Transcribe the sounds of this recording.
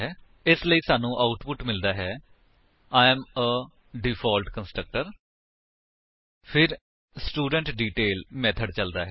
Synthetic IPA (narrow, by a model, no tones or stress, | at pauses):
ɛː | ɪsləiːsaːnũːʔaːʊʈpʊʈmɪld̪aːɦɛː | aːɛ̃ːmə | ɖɪpʰaːlʈkənsʈɾək̚ʈəɾ | pʰɪɾ | sʈuːɖəɳʈɖiːʈeːlmɛːt̪ʰəɖt͡ʃəld̪a̰ːɦɛ